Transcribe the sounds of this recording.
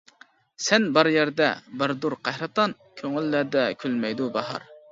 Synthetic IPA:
sɛnbɑɾjæɾd̪ɛ̰bəɾd̪uɾqʰɑhɾɑt̪ɑn | kʲʰøŋylːæd̪ɛkʲʰylmɛjd̪ubɑɦɑ̰ɾ

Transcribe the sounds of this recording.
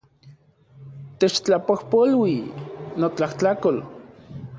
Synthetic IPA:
t̪et͡ʃt͡ɬapohpolwinot͡ɬaht͡ɬakol

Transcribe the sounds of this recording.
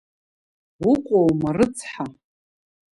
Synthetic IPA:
wʊqʷʼowmarɨt͡sʰħa

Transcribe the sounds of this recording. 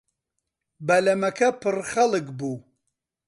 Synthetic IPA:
bɐlɐmɐkʰɐpʰɨrxɐlɨkbuː

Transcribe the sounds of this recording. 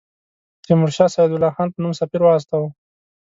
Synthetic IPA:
t̪ɪmʊɾʃɑːsɑjɪd̪ʊlɑxɑːnpənumsafiɾwɑas̬t̪awu

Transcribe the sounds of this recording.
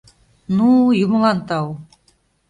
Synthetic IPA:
nujumə̆lɑnt̪ɑw

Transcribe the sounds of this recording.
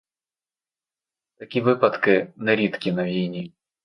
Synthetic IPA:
t̪ɐkʲivɨpɐt̪kɨnɐɾʲit̪kʲinɐvʲijnʲi

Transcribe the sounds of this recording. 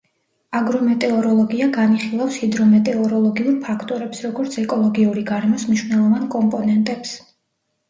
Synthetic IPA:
aɡɾɔmɛt̪ʼɛɔɾɔlˠɔɡiaɡaniχilˠafsid̪ɾɔmɛt̪ʼɛɔɾɔlˠɔɡiuɾpʰakʰt̪ʼɔɾɛpsɾɔɡɔɾt̪sʰɛkʼɔlˠɔɡiuɾiɡaɾɛmɔsmniʃwnɛlˠɔvankʼɔmpʼɔnɛnt̪ʼɛps

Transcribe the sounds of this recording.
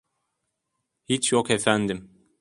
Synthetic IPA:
hit͡ʃjokefænd̪im

